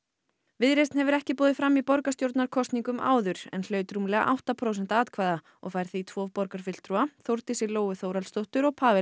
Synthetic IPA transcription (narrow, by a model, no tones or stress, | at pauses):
vɪðɾejst̪nhɛvʏɾɛhcɪpɔːðɪfɾamːipɔɾkast̪jowɾt̪naɾ̥kʰɔst̪niŋkʏmʔa̰ːwðʏɾ̥ɛ̰nl̥œːɥt̪ɾumlɛːɣa̰ʔa̰wht̪apʰɾows̬ɛn̥t̪aaːt̪kʰvaːjða | ɔ̰ɣfajɾ̥θit̪ʰvɔːvpɔɾkaɾ̥fɪl̥t̪ɾuaθowɾt̪ɪsɪloːwʏθowɾalst̪owht̪ʏɾɔɣpʰaːvɪ